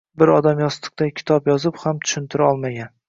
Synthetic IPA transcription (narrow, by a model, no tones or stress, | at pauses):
bɪɾɒd̪amjɒst̪ʰɨ̥q̚t̪akʲʰɪ̥t̪ʰɒpjɒzɪphamt̪ʰʊ̥ʃɪnt̪ʰɪɾaɒlˠmaɡʲan